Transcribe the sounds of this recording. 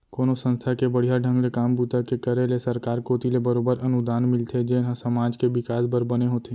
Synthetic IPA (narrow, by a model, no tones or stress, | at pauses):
koːnosə̃nst̪ʰakebəɽ̤ijaɖʱə̃ŋɡlekaːmbuːt̪akekəɾelesɐɾkaːɾkoːt̪ilebəɾoːbəɾɐnʊd̪aːnmɪlt̪ʰed͡ʒeːnɦãsɐmaːd͡ʒkeʋɪkaːsbəɾbɐneɦoːt̪ʰeː